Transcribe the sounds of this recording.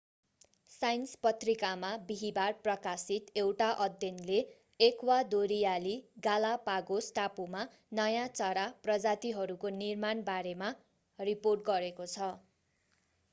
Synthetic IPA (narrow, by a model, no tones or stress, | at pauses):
sajnspʌt̪rikamabiɦibarprʌkasit̪ewʈaʔʌd̪jʌnleː | kwad̪oɾijaliɡalapaɡosʈapuma | nʌjãt͡sʌɾaprʌd͡zat̪iɦʌɾukonirmanbaɾema | riporʈ̚ɡʌɾekot͡sʰʌ